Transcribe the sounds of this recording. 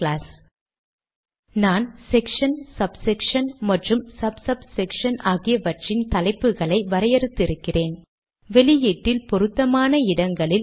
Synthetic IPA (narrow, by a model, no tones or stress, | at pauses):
laːs | naːnsɛkʂɐnsɐbsɛkʂɐnmɐʈrɯmsɐbsɐbsɛkʂɐnʔaːɣɪjɐʋɐʈrɪnt̪ɐlɐɪpːɯɣɐɭɐɪʋɐɾɐjɐɾɯt̪ːɪɾɯkːɪreːn | ʋɛɭɪjeːʈːɪlpɔɾɯt̪ːɐmaːnɐɪɽɐŋɡɐɭɪl